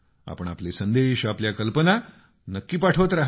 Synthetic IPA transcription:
a̰pəɳ̃aplesənd̪eɕapljakəlpəna | nəkːiːpaʈʰot̪ɾaɦ

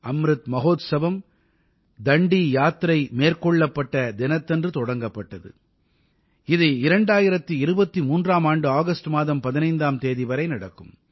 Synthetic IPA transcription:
ɐmɾɯt̪mɐɣoːt̪sɐʋɐm | d̪ɐɳɖijaːt̪ɾɐɪmeːrkɔɭːɐpːɐʈːɐd̪ɪnɐt̪ːɛndrɯt̪ɔɽɐŋɡɐpːɐʈːɐðɯ̰ | ɪðɯɪɾɐɳɖaːjɪɾɐt̪ːɯɪɾɯbɐt̪ːimuːndraːmaːɳɖɯaːɣɐsʈɯmaːðɐmpɐðɪnɐɪnd̪aːmt̪eːðiʋɐɾɐɪnɐɽɐkːɯm

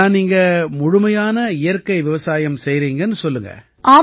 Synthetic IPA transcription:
aːniːŋɡɐmʊɻʊmɐjaːnɐɪjɐɾkɐɪʋɪʋɐsaːjɐmsɛjɾiːŋɡɐnːɯsɔlːɯŋɡɐ̰ | ʔaː

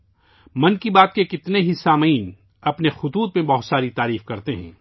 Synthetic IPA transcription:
mɐnkibaːt̪̚kekɪt̪neɦisaːməiːn | ɐpnexʊt̪uːt̪mẽbɐɦʊt̪saːɾit̪aːɾiːfkɐɾt̪eɦɛ̰̃ː

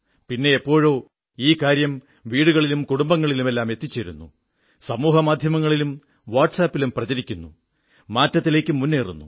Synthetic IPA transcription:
pinːe̞epːo̞ːɻo̞ː | iːkaːɾjɐm | ʋiːɽuɣɐɭilumkuɽumbɐŋːɐɭilume̞lːaːme̞t̪ːit͡ɕːeɾunːṵ | sɐmuːɦɐmaːd̪ʱjɐmɐŋːɐɭilum | ʋaːʈsaːpːilumprɐd͡ʑɐɾikʲːunːṵ | maːtːɐt̪ːile̞ːkʲːumːunːeːrṵnːṵ

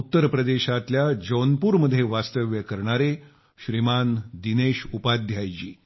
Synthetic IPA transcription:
ut̪ːəɾpɾəd̪eɕat̪ljad͡ʑonpuɾməd̪ʱːjeʋast̪əʋjəkəɾɳaɾe | ɕɾimand̪ineɕupad̪ʱjajt͡ɕiː

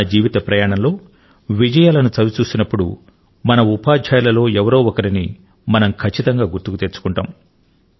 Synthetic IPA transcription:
ɐd͡ʒiːʋit̪ɐpɾɐjaːɳɐmlo̞ː | ʋid͡ʒɐjaːlɐnut͡ʃɐʋit͡ʃuːsinɐpːuɽṵ | mɐnɐupaːdʱaːjlɐlo̞ːɛʋɐɾoːɔkɐɾini | mɐnɐmkʰɐt͡ʃːit̪ɐŋɡaːɡuɾt̪ukut̪eɾt͡ʃu̥kuɳʈa̰ːm

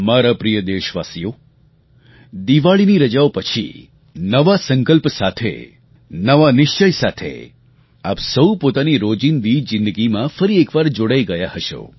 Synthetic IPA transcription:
maɾapɾijəd̪eʃʋasijo | d̪iʋaɭiniɾəd͡ʒaopət͡ʃʰḭ | nəʋasə̃ŋkəlpsat̪ʰḛ | nəʋanɪʃt͡ʃəjsat̪ʰḛ | apsəupot̪aniɾod͡ʒinʋid͡ʒɪ̃nd̪əɡimãfəɾiekʋaɾd͡ʒoɽaiɡəjahəʃo̰

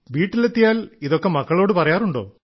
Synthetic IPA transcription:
ʋiːʈːilet̪ːijaːliðo̞kːe̞mɐkːɐɭo̞ːɽɨpɐrɐjaːruɳɖo̞̰ː

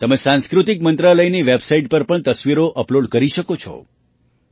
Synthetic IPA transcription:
t̪əmesãnskɾut̪ikmənt̪ɾaləjniʋebsaiʈ̚pəɾpəɳt̪əsʋiɾoʔəploɖkəɾiʃəkot͡ʃʰɔ̰

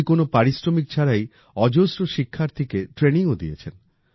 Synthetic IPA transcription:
konopaɾisɾomik̚t͡ɕʰaɾaj | ɔd͡ʑosɾoʃikʰːaɾt̪ʰekeʈɾeniŋod̪ḭet͡ɕʰen

